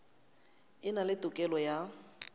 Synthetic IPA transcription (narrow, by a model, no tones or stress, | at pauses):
ɪnalɪtʼʊkʼɛlɔja